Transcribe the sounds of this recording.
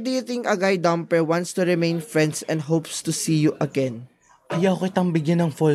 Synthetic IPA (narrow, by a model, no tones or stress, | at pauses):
d̪ejt̪ɪ̃ŋɐɡajd̪ãmpɛwãnst̪ʊɹɪmẽjnfɹɛ̃nd̪sɛ̰̃nd̪ɦowpst̪ʊsiːjuʔɐɡɛn | ʔɐjawkɪt̪ɐŋbɪɡjanɐŋfɔ